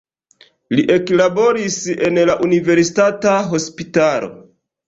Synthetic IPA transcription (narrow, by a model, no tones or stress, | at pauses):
liʔe̞klabo̞ɾise̞nlaʔunive̞ɾsitataɦo̞spitalo̞̰